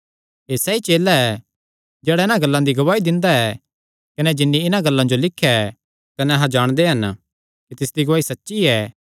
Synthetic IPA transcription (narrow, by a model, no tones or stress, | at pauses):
ɦeːsɛit͡ʃeːlːaɛ | d͡ʒɛːɽaɪnãɡɐlːãd̪iɡɐʋaːid̪ɪ̃nd̪aɛ | kɐnɛd͡ʒɪnːiɪnãɡɐlːãd͡ʒolɪkʰːjaɛ | kɐnɛ̃ɐɦãd͡ʒaːɽ̃d̪eɦɐn | kit̪ɪsd̪iɡɐʋaːisɐtːʃiɛː